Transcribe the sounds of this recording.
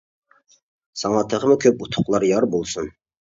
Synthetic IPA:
sɑŋɑt̪ʰəʁəmʊkʲʰøp̚ut̪ʰʊ̥qlˠɑɾjɑɾbolˠsun

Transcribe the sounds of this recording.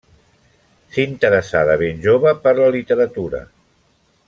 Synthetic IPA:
seiint̪əɾəsaðəβ̞enʲʒoβəpəɾləlit̪əɾət̪uɾə̰

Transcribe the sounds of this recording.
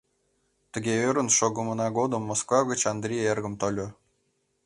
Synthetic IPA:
t̪ə̆ɡʲeøɾə̆nʃoɡɤ̆mɤ̆nɑɡod̪ɤ̆mːoskvɑɡʲə̆t͡ɕɑnd̪rʲijerɡə̆mt̪olʲo

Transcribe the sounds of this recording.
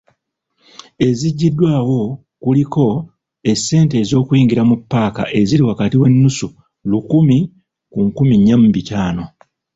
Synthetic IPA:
e̞ziɟːidːwaːwo̞ | kuliko̞ | e̞sːe̞ːnte̞ːzo̞ːkujiːŋɡiɾamupːaːka̰ʔe̞ziliwakatiwe̞nːusu | lukumi | kuŋkumiɲːamubicaːno̞

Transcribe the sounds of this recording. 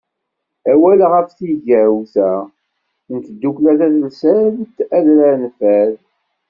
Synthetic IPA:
æwælʁəfθiʝæwθæ | nt̪əd̪ːuklæθæθəlsæðt̪ːæðɾænfæð

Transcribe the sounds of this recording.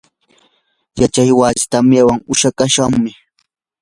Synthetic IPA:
jat͡ʃajwasɪ̥t̪amjawaŋʊʃakaʃaŋmɪ

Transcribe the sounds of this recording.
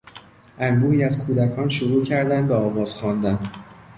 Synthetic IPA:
ʔænbuːiːæzkʰuːd̪ækʰɒːnʃoɾuːcʰæɾd̪ænd̪beɒːvɒːz̥xɒːnd̪æn

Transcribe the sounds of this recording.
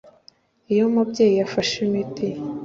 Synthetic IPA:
ijomubɟe̞ːjijafaʃimiti

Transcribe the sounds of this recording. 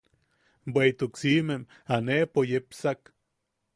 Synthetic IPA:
bwejt̪uksimem | anepojepsak

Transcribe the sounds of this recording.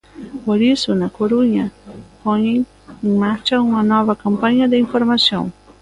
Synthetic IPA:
poɾisʊnakoɾuɲapoɲẽŋ | ẽŋmaɾt͡ʃaumanɔvakampaɲad̪ɪĩŋfoɾmasjõ̰ŋ

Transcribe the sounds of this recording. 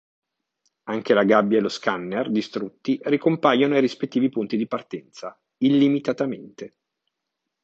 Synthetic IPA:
aŋkelaɡabːjaeloskanːerd̪ist̪ɾut̪ːirikompajonoajɾispet̪ːiːvipunt̪id̪ipart̪ɛnt̪sa | ilːimit̪at̪ament̪e

